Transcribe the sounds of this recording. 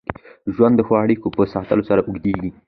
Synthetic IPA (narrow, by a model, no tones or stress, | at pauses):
ʒwand̪ːəxɑaɽikopəsɑt̪əlosaɾaʔuɡd̪eɡi